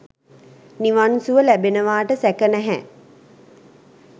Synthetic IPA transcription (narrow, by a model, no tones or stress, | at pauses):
niʋansuʋəlæbenəʋaːʈəsækənæɦæ